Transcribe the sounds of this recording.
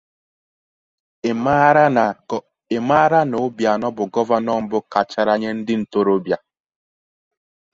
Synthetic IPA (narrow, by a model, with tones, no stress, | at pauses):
e˨ma˦ɾa˦no˨˦bja˨nɔ˦bʊ˨ɡɔ˦va˦nɔ˦˨m̩˦bʊ˦ka˨t͡ʃa˦ɾa˦ɲe˦n̩˦dɪ˦n̩˨to˦ɾo˦bja˨